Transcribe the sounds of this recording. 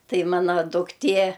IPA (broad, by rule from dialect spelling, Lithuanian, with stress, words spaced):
ˈtɐɪ ˈmɑːnɐ dʊkˈtʲeː